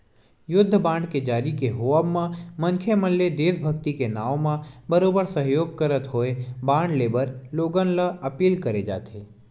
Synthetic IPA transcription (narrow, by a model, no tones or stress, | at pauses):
jʊd̪ʱːbãːɳɖked͡ʒaːɾikeɦoʋaːbmãmənkʰemə̃lled̪eːsbʱəkt̪ikenaːʋmãbəɾoːbəɾsəɦjoːɡ̚kəɾət̪ɦoːebãːɳɖleːbəɾloːɡənlaɐpiːlkəɾed͡ʒa̰ːt̪ʰeː